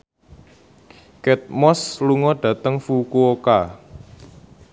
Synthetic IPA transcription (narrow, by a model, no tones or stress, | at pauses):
kɛt̪̚mɔsluŋɔɖ̥ä̤t̪əŋfukuoka